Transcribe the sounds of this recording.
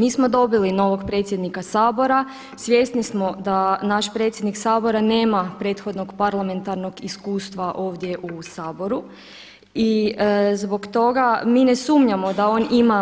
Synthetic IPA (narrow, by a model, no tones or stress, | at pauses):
miːsmo̞d̪o̞bilino̞ʋo̞ɡpɾet̪sjed̪nikasaːbo̞ɾa | sʋje̞st̪nismod̪anaʃpɾe̞ːt̪sjed̪niksaːbo̞ɾane̞ːmapɾe̞ːt̪xo̞d̪noɡpaɾlˠame̞nt̪aɾno̞ɡiskuːst̪ʋaʔo̞ːʋd̪je̞ʔusaːbo̞ɾu | izbo̞kt̪o̞ɡamiːnesuːmɲamo̞d̪ao̞ːnima